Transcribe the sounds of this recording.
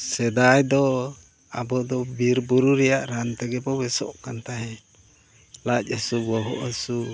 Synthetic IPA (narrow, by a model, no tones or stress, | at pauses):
sɛd̪ajd̪ɔ | abɔd̪ɔbiɾbuɾuɾɛjaʔɾant̪ɛɡɛbɔbɛsɔ̰ʔkant̪aɦɛ | lac̚ˀəsubɔɦɔ̰ʔəsu